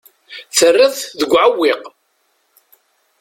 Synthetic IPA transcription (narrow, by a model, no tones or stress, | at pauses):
θərːɪððəɡʷʕawːɪq